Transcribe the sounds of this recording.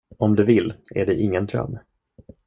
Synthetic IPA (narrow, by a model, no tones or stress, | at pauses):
ɔmd̪ɵvɪlːæɖɛʔɪŋːənd̪ɾœ̰mː